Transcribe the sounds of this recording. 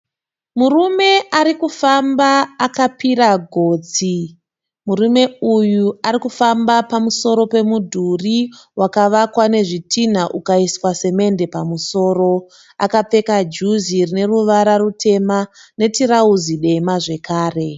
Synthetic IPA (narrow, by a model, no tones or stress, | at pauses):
murume̞ʔaɾikufambaːkapiɾaɡʱo̞ːd͡zi | murume̞ujuaɾikufambapamuso̞ɾo̞pe̞mudʱuriwʔakaʋakwane̞ʐitʰin̤aʔukaiswase̞me̞nde̞pamuso̞ːro̞ | a̰kap͡fe̞kad͡ʒuzirine̞ruʋaɾarute̞mane̞tiɾauziɗe̞maʐe̞kʰaːre̞